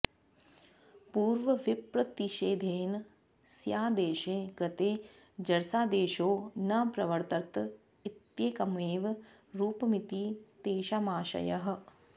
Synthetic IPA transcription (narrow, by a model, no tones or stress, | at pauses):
puːɾʋɐʋipɾɐt̪iʃeːd̪ʱeːn | sjaːd̪eːʃeːkɾɪt̪eː | d͡ʒɐɾsaːd̪eːʃoːnɐpɾɐʋɐɾt̪ɐɾt̪ | it̪jeːkɐmeːʋ | ɾuːpɐmit̪iːt̪eːʃamaːʃɐ̰jɐɦɐ̆